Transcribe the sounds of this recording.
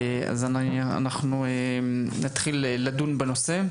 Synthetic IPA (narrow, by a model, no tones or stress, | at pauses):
a̰zanaa̰naχnuenat̪χileːadunbeno̞se